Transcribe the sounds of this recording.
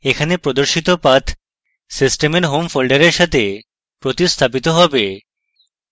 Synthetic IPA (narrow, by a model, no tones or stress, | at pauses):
ekʰanepɾod̪oɾʃit̪opat̪ʰ | sisʈemeɾɦomfolɖaɾeɾʃat̪ʰe | pɾot̪ist̪ʰap̬it̪oɦɔbe